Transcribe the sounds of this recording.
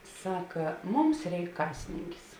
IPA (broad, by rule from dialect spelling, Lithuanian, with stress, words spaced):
ˈsɑːkɐ ˈmʊms ˈrʲɛɪk ˈkɑːsʲɪnʲɪŋʲkʲɪs